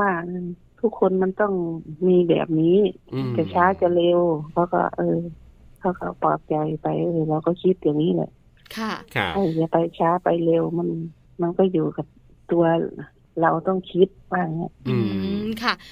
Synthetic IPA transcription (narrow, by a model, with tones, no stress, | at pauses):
waː˧˩ʔ | t̪ʰu˦˥kʰːo˧˨nma˧˥˨nt̪ɔ˥˩ŋmiː˧˥˨bɛ̰ː˨˩p̚niː˦˥˨ka˨˧˩t͡ɕʰaː˧˥t͡ɕa˧˩le˧wkʰa˧˥˩wkɔ̰˧˩ʔɤː˧ | kʰa˧˩wkɔ̰˧˩pɔː˨˩p̚t͡ɕa˨jpa˨jʔɤː˧˩la˧˩wkɔː˧˩kʰi˧˥t̪̚jaː˨ŋniː˧˥˨lɛ̰˧˦˨ | kʰa˥˩˧ha˧˩jja˧pa˨˧jt͡ɕʰaː˧˥pa˨jle˧˨wma˧˥˨n | ma˧˥˨nkɔː˧˩juː˨˩ka˨˧˩p̚ | t̪u˧ɐ | la˧˩wt̪ɔ˧˥˩ŋkʰi˧˥t̪̚maː˧˩ŋɲa˧˨˧ | kʰa˧˥˩